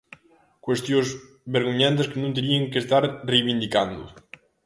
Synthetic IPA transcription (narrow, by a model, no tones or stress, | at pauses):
kwest̪joz | βeɾɣuɲant̪̬eskenũnt̪̬eɾieŋkest̪aɾrejβind̪ikand̪ṵ